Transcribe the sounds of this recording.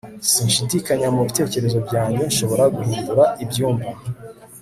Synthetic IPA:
siːnʃidikaɲamuβite̞ːce̞ɾe̞zo̞bɟaːɲɟo̞nʃo̞βo̞ɾaɡuhiːnduɾaibɟuːɱva

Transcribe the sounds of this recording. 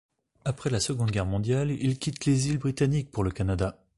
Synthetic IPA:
apχɛlasəɡɔ̃d̪ɡʲɛʁmɔ̃d̪jalilkʲit̪lezilbʁit̪anik̚puʁləkanad̪a

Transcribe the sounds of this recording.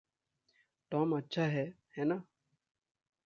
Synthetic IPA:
t̪ɔːmətːʃʰaːɦɛː | hɛːnaː

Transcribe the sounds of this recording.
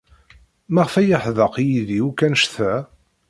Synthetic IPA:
mæʁfæjəħðəqjiðiukːænʃθæ

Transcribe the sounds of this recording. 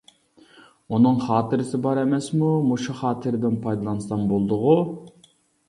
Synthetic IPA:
unɨŋχɑːt̪ʰɨɾɪsɪbɑɾɛmɛsmumuʃuχɑːt̪ʰɨɾɪd̪ɪnpʰɑjd̪ɑlˠɑnsɑnbolˠd̪ʊʁu

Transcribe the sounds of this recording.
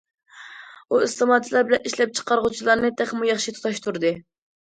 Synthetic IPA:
uɨst̪ɨmɑt̪ʰlˠɑɾbɪlɛniʃlɛp̚t͡ʃʰə̥qɑɾʁut͡ʃʰilˠɑɾnɨt̪ʰæχmujɑχʃit̪ʰu̥t̪ʰɑʃt̪ʰuɾd̪ɨ

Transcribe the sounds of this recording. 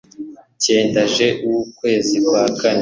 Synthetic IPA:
ce̞ːndaʒe̞ʔuwukwe̞ːzikwaːkane

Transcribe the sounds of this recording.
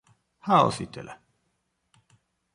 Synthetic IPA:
hao̰sit̪ḛlæ

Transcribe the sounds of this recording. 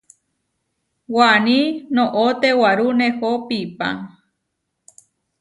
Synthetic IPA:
wanĩnõʔot̪ewaɾunehopipa̰

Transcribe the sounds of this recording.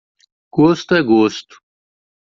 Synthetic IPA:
ɡ̥oːst̪eɡoːst̪

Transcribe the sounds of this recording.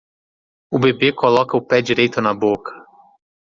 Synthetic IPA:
ʊbebekolɔkɐʊpɛd͡ʒiɾejt̪ʊnɐbokʰɐ̥

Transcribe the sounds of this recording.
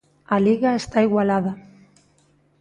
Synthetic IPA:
aliɣaest̪aiɣwalaða

